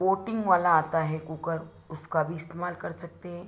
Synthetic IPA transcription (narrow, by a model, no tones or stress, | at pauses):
ʋoʈiŋɡʋalaːt̪aɦekukəɾ | uskabʱiːst̪emalkəɾsək̚t̪e